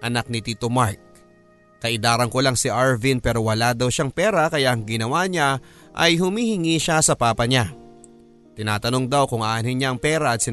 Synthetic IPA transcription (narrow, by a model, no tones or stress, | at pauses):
ʔɐnak̚nɪt̪iːt̪omaɹk̚ː | ɐʔɪd̪aːɾɐŋkolaŋsɪʔaɹvinpɛːɾo̞wɐlad̪ɐwʃaŋpɛːɾɐkɐjaʔɐŋɡɪnɐwaɲa | ʔɐ̰jhʊmiːhɪŋiʃasɐpaːpɐɲa | t̪ɪnaːt̪ɐno̞ŋd̪awkʊŋʔaʔanɪɲaɐŋpɛːɾɐːt̪sɪ